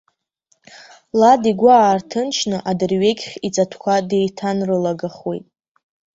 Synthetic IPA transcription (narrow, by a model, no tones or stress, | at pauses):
ladiɡʷaːrtʰɨnt͡ʃʰnɨʔadɨrɥe̞ɡʲχʲit͡sʼatʰkʷʰade̞jtʰanrɨlaɡaχwejtʼ